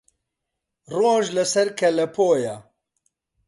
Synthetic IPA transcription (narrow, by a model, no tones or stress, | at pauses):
roːʒlɨsɛɾkʰɛlɛpʰoːja